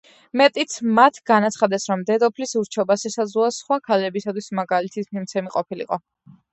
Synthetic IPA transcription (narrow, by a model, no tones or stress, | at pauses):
mɛt̪ʼit̪sʰmat̪ʰɡanat̪sʰχad̪ɛsɾɔmd̪ɛd̪ɔpʰlisuɾt͡ʃʰɛbaʃɛsad̪zluasχwakʰalɛbisat̪ʰwismaɡalit̪ʰismimt̪sʰɛmiqʼɔpʰilḭqʼɔ